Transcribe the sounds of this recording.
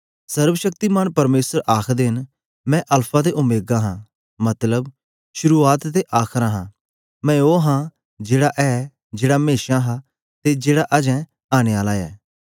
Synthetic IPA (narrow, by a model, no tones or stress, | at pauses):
sɐɾʋəʃək̚t̪imənpɐɾmeːsəɾʔaːkʰd̪eɦɪn | mɛ̃ʔɐlpʰãd̪eʔʊmeːɡãɦã | mɐt̪ləb | ʃʊɾuaːt̪t̪eʔaːkʰɾãɦãː | mɛ̃oːɦã | d͡ʒeːɽaʔɛː | d͡ʒeːɽameːʃãɦa | t̪ed͡ʒeːɽaʔɐd͡ʒɛ̃ | aːɽ̃eaːlaɛ̰ː